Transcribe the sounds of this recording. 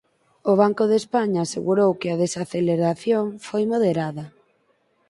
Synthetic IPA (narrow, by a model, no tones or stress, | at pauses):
ʊβ̞aŋkʊðespaɲaːseɣuɾowkɪaðesaθeleɾaθjoŋfojmoð̞eɾaðɐ